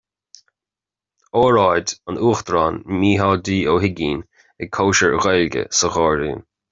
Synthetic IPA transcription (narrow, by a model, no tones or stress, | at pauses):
ɔːɹajdənuːxd̪ɾɑːnmiːɦɑːdiːoːɦɪɡiːn | ɛkʰoːʃəɹəɣɔlɡə̰səɣɔːɾḭːn